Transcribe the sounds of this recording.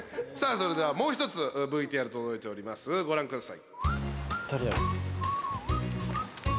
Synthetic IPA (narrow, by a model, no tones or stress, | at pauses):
saːso̞ɾe̞d̪e̞βamo̞ːçi̥t̪o̞t͡sɨbɯ̟it̪eaɾɯ̟t̪od̪o̞it̪e̞o̞ɾʲimasɨɡo̞ɾãŋkɯ̃ɰ̃sai | t̪aɾʲiaɾi